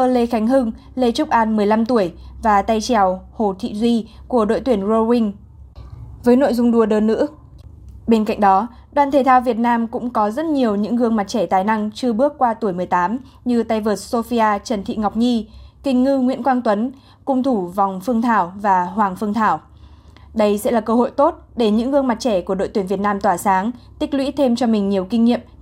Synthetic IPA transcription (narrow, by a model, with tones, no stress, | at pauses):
ʔəː˧le˧xa˨˦jŋ̟ɦɨ˧ŋ | le˧t͡ɕʊ˦˥k͡p̚ʔaː˧˩nmɨ˨˩əjla˧mt̪u˧˩əjvaː˨˩t̪a˧jt͡ɕɛ˨˩who˨˩t̪ʰḭ˧˨zi˧ku˧˩əɗo̰˧˨jt̪wi˧˩ənzo˧wï˧ŋ̟ | vəː˨˦jno̰˧˨jzʊ˧ŋ͡mɗu˧əɗəː˧˩nːɨ̰˧˥ | ɓe˧nka̰˧˨ŋ̟ɗɔ˨˦ | ɗwaː˧˨nt̪ʰe˨˩t̪ʰaː˧wvi˨˩ət̚naː˧mkʊ̰˧˥ŋ͡mkɔ˨˦zə˦˥t̚ɲi˨˩əwɲɨ̰˧˥ŋɣɨ˧əŋma˨˩t̚t͡ɕɛ˧˩t̪aː˨˩jna˧ŋt͡ɕɨ˧əɓɨ˦˥ək̚kːwaː˧t̪u˧˩əjmɨ˨˩əjt̪aː˨˦m | ɲɨ˧t̪a˧jvəː˨˩t̚so˧fi˧ʔaː˧t͡ɕə˨˩nt̪ʰḭ˧˨ŋa˨˩wk͡p̚ɲi˧kï˨˩ŋ̟ŋɨ˧ŋwḭ˧˥ənkwaː˧ŋt̪wə˨˦n | kʊ˧wŋ͡mt̪ʰu˧˩va˨˩wŋ͡mfɨ˧əŋt̪ʰaː˧˩wvaː˨˩hwaː˨˩ŋfɨ˧əŋt̪ʰaː˧˩w | ɗə˧jsɛ̰˧˥laː˨˩kəː˧ho̰˧˨jt̪o˦˥t̚ɗe˧˩ɲɨ̰˧˥ŋhɨ˧əŋma˨˩t̚t͡ɕɛ˧˩ku˧˩əɗo̰˧˨t̪wi˧˩nvi˨˩ət̚naː˧mt̪waː˧˩saː˨˦ŋt̪ï˦˥k̚lwḭ˧˥t̪ʰe˧mt͡ɕɔ˧mï˨˩ŋ̟ɲi˨˩əwkï˧ŋ̟ɲḭ˧˨əm